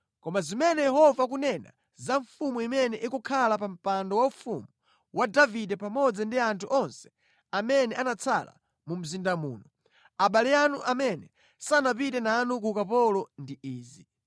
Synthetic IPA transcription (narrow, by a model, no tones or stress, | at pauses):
kɔmazimɛnɛjɛhɔvak̬unɛna̰ | zaɱfumuimɛnɛʔikukʰalapam̩pandɔwaufṵmu | wadavidɛpamɔd͡zandiantʰuʔɔnsɛ̥ | amɛnɛʔanat͡sʰa̰la̰ | mum̩zindamuːnɔ | aɓalɛjanuʔamɛnɛ | sanapitɛnaːnuk̬ukapɔlɔndiʔiːzi